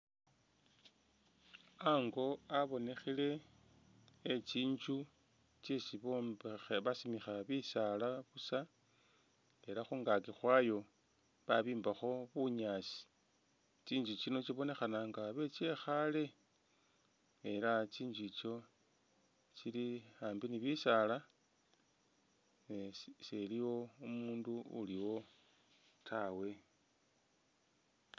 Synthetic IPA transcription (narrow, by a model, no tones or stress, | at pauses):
aŋɡo̞aβo̞ne̞xile̞ | t͡ʃiːɲd͡ʒu | t͡ʃesiβombβasimixaβisalaβusa | e̞laxuːŋɡakixwajo̞ | βaβiːmbaxo̞βuɲaːsi̥ | t͡ʃiːnd͡ʒut͡ʃino̞t͡ʃiβo̞ne̞xanaŋɡaβe̞t͡ʃe̞xale̞ | elat͡ʃiːnd͡ʒit͡ʃo̞ | t͡ʃiliaːmbiniβisala | neseliwo̞umuːnduṵliwo̞ | tʰawe̞